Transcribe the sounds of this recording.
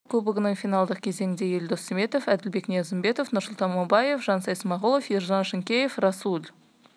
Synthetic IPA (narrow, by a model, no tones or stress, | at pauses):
kʲʰɵbɪɡʲɪnɪŋfijnɑlˠd̪əq̚kʲʰe̞ze̞ŋʲɪnd̪e̞je̞ld̪osɪme̞t̪ofæd̪ɪlbe̞knʲijɑzɪmbe̞t̪ofnʊrsʊlˠt̪ɑnmobɑje̞fʒɑnsɑjsmɑʁulˠofjerzɑnʃɪŋkʲejefrɑsulʲ